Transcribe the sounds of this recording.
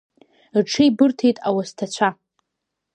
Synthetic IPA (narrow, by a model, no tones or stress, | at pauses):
rʈ͡ʂʰɨjbɨrtʰejtʼawastʰat͡ɕʷʰa